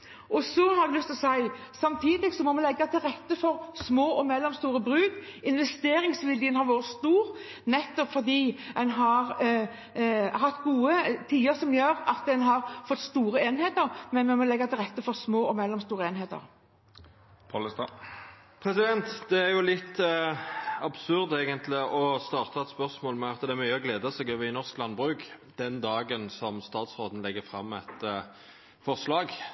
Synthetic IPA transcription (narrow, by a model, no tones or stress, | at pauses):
ʔɔsɔhɑɾd̪ʉlʏst̪ɔsæɪ | sɑmt̪ʰiːd̪ɪɡsɔmɔmɛnlɛɡːɑt̪ʰɪlʁɛt̪ːəfɔɾsmoːʔɔmɛlːɔmst̪uːɾəbɾʉːɡɪnʋɛst̪eːɾɪŋsʋɪljənhɑɾʋoːʁət̪st̪uːɾ | nɛt̪ːɔpfɔʁd̪iːɛnɦɑʁ | ɦɑt̪ːɡuːət̪ʰiːəɾsɔmjøːʁɑt̪̚d̪ɛnɦɑʁfɔt̪ːst̪uːɾəeːnheːt̪əʁmɛnmɛmɔlɛɡːɑt̪ʰɪlʁɛt̪ːəfɔɾsmoːɔmɛlːɔmst̪uːɾəeːnɦeːt̪ə̰ɾ | pʰɑlst̪ɑ | pʰʁɛsɪd̪ɛnt̪d̪ɛæʁjʊlɪt̪ː | ɑbsʉʁd̪eːɡənt̪ʰlɪɔst̪ɑːʁt̪ʰɑɛt̪spœʁsmoːlmɛɑt̪ːəd̪ɛæɾmyʏɔɡleːd̪ɑsɛːɡøːʋəɪnɔʁsklɑnbʁʉːkd̪̥ɛnd̪ɑːɡənsɔmst̪ɑːt̪sʁoːd̪n̩lɛɡːəfʁɑmːɛt̪ | fɔʁslɑːɡ